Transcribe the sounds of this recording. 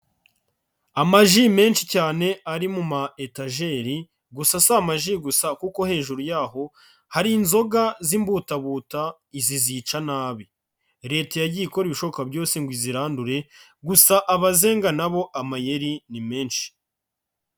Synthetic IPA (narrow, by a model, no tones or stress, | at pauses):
amaʒime̞ːnʃicaːne̞aɾimumaetaʒe̞ːɾi | ɡusasamaʒiɡusakuko̞he̞ːʒuɾujaːɦo̞ | haɾiːnzo̞ɡazimbuːtaβuːta | izizit͡ʃanaːβi | ɾe̞ːtejaɟiiko̞ɾiβiʃo̞okabɟo̞ːsiŋɡwiziɾaːnduɾe̞ɡusaʔaβaze̞ːŋɡanaβo̞ʔamaje̞ɾinime̞ːnʃi̥